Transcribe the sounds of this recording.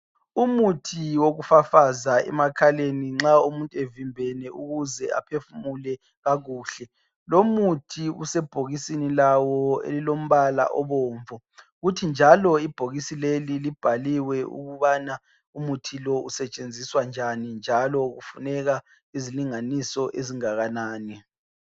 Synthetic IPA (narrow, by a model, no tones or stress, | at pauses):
umutʰiwoɣufafazaɛ̰makʰaleniŋ͡ǁaumuntʼuɛvimbʱɛnɛuɣuzɛa̰pʰefumulɛ | ɣaɣuːɬɛ | lomutʰiṵsɛb̥ʱoɣisinilawɔḛlilom̩βala̰ʔɔβɔːɱvɔ | ɣutʰind͡ʒʱalɔib̥ʱoɣisilelilib̥ʱaliwɛṵɣuβana | umutʰilɔusɛt͡ʃʼend͡zʱiswand͡ʒʱanind͡ʒʱalɔɣufunɛɣa | iziliŋanisɔʔeziŋaɣanaːnɛ